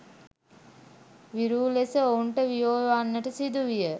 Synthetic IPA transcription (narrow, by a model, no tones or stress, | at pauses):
ʋiɾuːlesəouɳʈəʋijoːjʋanːəʈəsid̪uʋijə